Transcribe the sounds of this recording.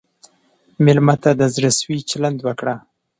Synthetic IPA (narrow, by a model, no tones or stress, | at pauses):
mɪlmat̪ad̪əzɾaswit͡ʃaland̪wəkɽa